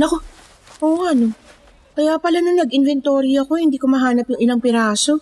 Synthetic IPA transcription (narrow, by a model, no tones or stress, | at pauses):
nɐko | ʔoːɐno | kɐjaːpɐlanoŋnɐɡɪnvɛnt̪oːɾɪɐɐko̞hɪnd̪iːkomɐɦaːnɐpjʊŋɪlaŋpɪɾaːso̞